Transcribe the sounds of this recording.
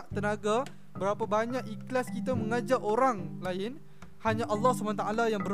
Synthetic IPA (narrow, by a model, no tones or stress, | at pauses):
ʔt̪ənaɡa | bəɾapabaɲãʔiklaskit̪amə̃ŋad͡ʒaʔoɾaŋlaɪn | haɲaʔalːɑhsubanat̪aʔalajaŋbəɾ